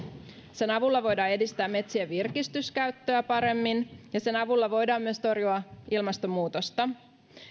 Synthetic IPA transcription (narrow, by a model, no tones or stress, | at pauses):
se̞nɑʋulːɑʋo̞jdɑːe̞dist̪æːmːe̞t̪siæʋirkist̪yskæɥt̪ːøæpɑɾe̞mːinjɑse̞nɑʋulːɑʋo̞jdɑːmːyøst̪o̞rjuɑʔilmɑst̪o̞mːuːt̪o̞st̪ɑ